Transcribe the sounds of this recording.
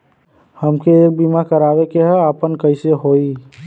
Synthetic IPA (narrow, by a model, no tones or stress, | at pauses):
həmkeːk̚bimakəɾabekeɦəəpənkəɪseɦoi